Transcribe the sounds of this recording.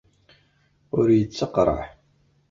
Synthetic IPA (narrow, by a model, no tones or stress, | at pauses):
ʊɾjət͡sːəqɾˤɑ̰ħ